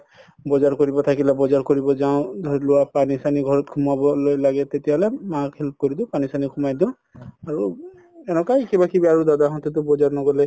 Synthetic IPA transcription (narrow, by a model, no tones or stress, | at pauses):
bɔd͡ʒaɾkɔɾibɔt̪ʰakilabɔd͡ʒaɾkɔɾibɔd͡ʒaɔ̃d̪ʱluapanisaniɡʱɔɾɔt̪kʰumabɔlojlaɡet̪et̪ibalemakʰilp̚kɔɾid̪ũpanisanikʰumajd̪ũ | aɾu | ɛnɔ̃kajkibakibiaɾud̪ad̪aɦɔ̃nt̪it̪ubɔd͡ʒaɾnɔɡɔle